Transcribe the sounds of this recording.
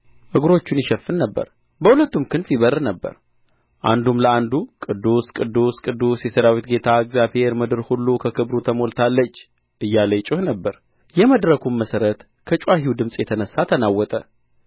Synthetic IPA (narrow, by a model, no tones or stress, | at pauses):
ʔɨɡɾo̞t͡ʃːunjɪʃəfːɨnːəbːə̰ɾ | bəhulət̪ːumkʰɨnfiβəɾnəbːə̰ɾ | ʔa̰nd̪umləand̪ukʼɨd̪ːuskʼɨd̪ːuskʼɨd̪ːusjɛsəɾawit̪ɡe̞t̪ʰaɨɡzjabhe̞ɾmɨd̪ɨɾhulːukʰəkʰɨbɾut̪ʰəmolt̪ʰalːət͡ʃː | ʔɨjːaləjt͡ʃʼɪhnəbːəɾ | jɛməd̪ɾəkʰumməsəɾət̪ | kʰət͡ʃʼwaɦiwd̪ɨmsʼjɛt̪ʰənəsːat̪ʰənawːɔt̪ʼə